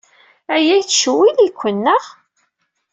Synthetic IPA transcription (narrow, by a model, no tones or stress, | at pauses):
æjæjθʃwiðikʷːənːəʁ